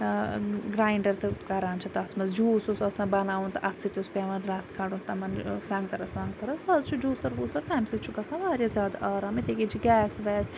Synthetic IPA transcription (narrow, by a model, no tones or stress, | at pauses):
ɡɾaːjɳɖɐɾt̪ʰɨkɐɾaːnt͡ʃʰit̪ɐt̪ʰmɐzd͡ʒuːsusɐsãbɐnaːʋunt̪ʔɐt̪sit̪ʲuspʲeʋɐnɾɐst̪kʰɐɽuːnt̪ɐmɐnsãŋɡ̚t̪ɐɾɐsãːŋɡt̪ɐɾɐsɐzt͡ʃʰud͡ʒuːsɐɾʋuːsɐɾt̪ʰɐmsit͡ʃʰukɐsãʋaːɾʲjazʲjaːd̪ʔaːɾaːmit̪ikit͡ʃʰiɡʲɛːsʋɛːs